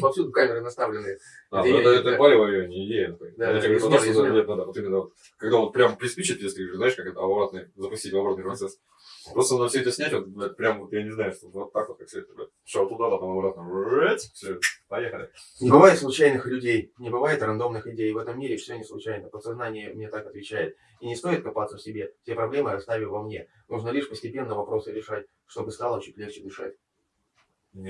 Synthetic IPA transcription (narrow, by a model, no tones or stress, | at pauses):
pɐfsʲud̪ʊkamʲɪɾɨnɐst̪avlʲɪnːɨ | anɛəɛt̪əpalʲɪvɐvʲonʲɪɪdʲejənɐpod̪akak̪d̪aʂt̪ot̪əd̪ʲet̪nad̪avot̪imʲɪnːəvot̪ | kɐɡd̪avo̞t̪̚pɾʲamplʲɪspʲit͡ɕɪt̪̚ʲjesʲt̪ʲkʲiʐɨznaɪʂkakɛt̪əɐbɐbɾat̪nəjzəpʊsʲtʲitʲvɐbɾat̪nɨjpɾɐt̪sɛs | pɾost̪nnəfsʲɵɛt̪ʲəsʲnʲætʲvot̪̚pɾʲamvot̪janʲɪznajʊʂt̪ovot̪ːakvot̪̚kaksʲɪdʲḛt̪bo̰t | sʲot̪ːʊd̪ad̪apəmɐbɾat̪nəet̪fsʲopɐjexəlʲɪ̰nʲɪbɨvajɪt̪sˠʊt͡ɕæjnɨxlʲʉdʲejnʲɪbɨvajɪt̪rɐnd̪o̞mnɨxɪdʲejvɛt̪əmːʲiɾʲɪfsʲonʲɪslˠʊt͡ɕæjnəpət̪sɐznanʲɪjəmnʲet̪akɐt̪vʲɪt͡ɕæjɪt̪ | inʲɪst̪o̞jɪt̪kɐpat̪səfʲsʲɪbʲe̞ftʲepɾɐblʲe̞mɨɐst̪avʲɪvɐmnʲe̞ | nuʐnəlʲiʂpəsʲtʲɪpʲe̞nːəvɐpɾo̞sɨɾʲɪʂat̚ʲ | ʂt̪o̞bɨst̪alˠət͡ɕitʲlʲext͡ɕɪd̪ɨʂa̰tʲ | nʲ